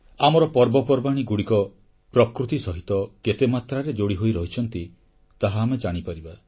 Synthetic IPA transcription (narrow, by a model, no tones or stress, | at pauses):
amɔɾɔpɔɾbɔpɔɾbaɽ̃iɡuɽikɔ | pɾɔkɾut̪isɔɦit̪ɔket̪emat̪ɾaɾed͡ʒoɽiɦojɾɔɦit͡ʃʰɔnt̪i | t̪aɦaːmed͡ʒaɽ̃ipaɾiba